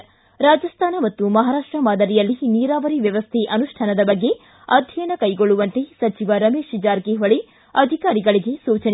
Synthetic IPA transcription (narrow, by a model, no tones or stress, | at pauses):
ɾaːd͡ʒɐst̪ʰaːnɐmɐt̪ːumɐɦaːɾaːʂʈɾɐmaːd̪ɐɾijɐlːiniːɾaːʋɐɾiʋjɐʋɐst̪ʰeʔɐnuʂʈʰɐnɐd̪ɐbɐɡːe̞ | ɐd̪ʱjɐnɐkɐjɡoɭːuʋɐnt̪esɐt͡ʃiʋɐɾɐmeːʃid͡ʒaːɾkeɦɐɭe | ɐd̪ʱikaːɾiɡɐɭiɡe̞suːt͡ʃɐn